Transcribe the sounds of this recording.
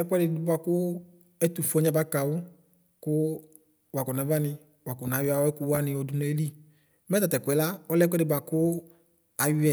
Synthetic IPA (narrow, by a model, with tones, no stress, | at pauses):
ɛ˦kʷɛ˦dɪ˨˦dʊ˧˦ba˧kʊ˦ | ɛ˦tu˨fɔ˧˦ɲɛ˦ba˨˦ka˨wʊ˦ | kʊ˦ | wa˨kɔ˨na˨˦va˦nɪ˧ | wa˨kɔ˨nã˨˦a˨wɛ˦ku˦wa˦nɪ̃˧ɔ˧du˨nɛ˨˦li˦ | mɛ˦ta˨tɛ˨kʷɛ˨la˦ɔ˦lɛ˦k̬ɛ˦dɪ˨bwa˨kʊ˦ | a˨jʊ˦ɛ˨